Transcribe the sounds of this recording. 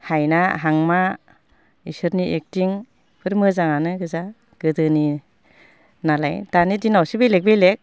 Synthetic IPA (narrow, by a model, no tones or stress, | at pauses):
hajnaɦaŋma | isɯɾniʔek̚tiŋ | pʰɯɾmɯzaŋanɯɡɯza | ɡ̥ɯdɯni | nalajdanidinawsibejlek̚bejlek̚